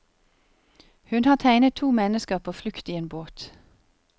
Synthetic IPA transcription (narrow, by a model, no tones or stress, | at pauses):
hʉnhɑːt̪ʰæɪnət̪ʰuːmɛnəskəʁpʰoːflʏkt̪iːeːnboːt̪